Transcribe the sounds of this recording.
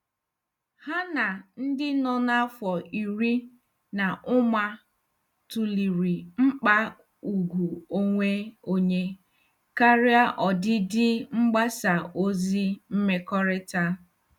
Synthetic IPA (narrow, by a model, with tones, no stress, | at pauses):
ha˦na˨n̩˦dɪ˦nɔ˦na˦fɔ˨i˨ɾi˦ | na˨ʔʊ˦ma˦ | tu˨li˨ɾi˨ŋ͡m̩˦k͡pa˦ | u˨ɡu˨o˦ŋʷe˦o˦ɲe˦ | ka˦ɾja˦ʔɔ˨dɪ˦dɪ˦ŋ͡m̩˦ɡ͡ba˦sa˨o˦zi˦m̩˦me˦kɔ˦ɾɪ˦ta˦